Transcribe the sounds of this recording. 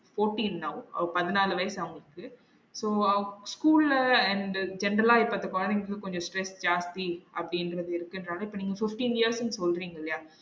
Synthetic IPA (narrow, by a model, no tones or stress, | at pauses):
foːɾʈiːnːɐʋɐ̰ʋɐpɐðɯnaːlɯʋɐːsɐʋɐŋɡɐɭɯkːɯ | soːɐskuːlɛɳɖd͡ʒɛnɾɐlaːɪpːɐt̪ːɐkːɔɐnɪŋɡkːɯkɔɲd͡ʒɔ̃sʈɾɛsd͡ʒaːst̪iʔɐpːɐɽiɪnɾɐðɯɪɾɯkːɪndɾaːlɐɪpːoːniːŋɡɐfɪfʈiːnjijəɾsʊnsɔlɾiːŋɡɐɪlːɐjaː